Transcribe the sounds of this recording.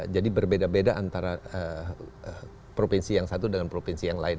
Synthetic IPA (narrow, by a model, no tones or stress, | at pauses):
d͡ʒadibərbedabedaʔant̪aɾaə | pɾofinsijaŋsat̪udəŋanpɾofinsijaŋlaɪn